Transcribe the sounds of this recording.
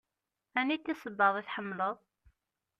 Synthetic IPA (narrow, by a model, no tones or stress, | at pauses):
ænikːæsəbːɑðˤiθħəmːləðˤ